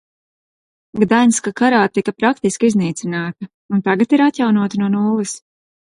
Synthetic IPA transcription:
ɡd̪ajnskakaɾaːt̪ikɐpɾakt̪iskizniːt̪sinaːt̪ɐ | unt̪aɡat̪iɾat̪jawnuɔt̪nuɔnuːvɐs

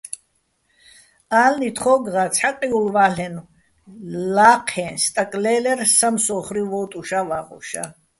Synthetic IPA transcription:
aːlnit̪ʰχɔɡʁat͡sʰħaqʼiulvaːlɛnu | laːqʰɛːnst̪ʼakʼlɛːlɛrsamsɔχɾivɔːt̪ʼuʃavaʁɔ̰ʃa̰

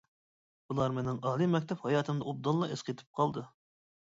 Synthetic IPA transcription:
bulˠɑɾmenɪŋɑːlˠɨmɛkʲt̪ʰɛphɑjɑːt̪ʰɨmd̪ɑob̚d̪ɑnˠlˠɑʔesqet̪ʰɨ̥p̚qʰɑlˠd̪ɨ

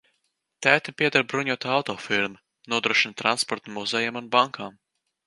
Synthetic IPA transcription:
t̪æːt̪apʲiɛd̪aɾbɾuɲuɔt̪aawt̪ɔːfiɾmɨ | nuɔd̪ɾuɔʃint̪ɾanspɔɾt̪muzɛjamunbaŋkʰaːm

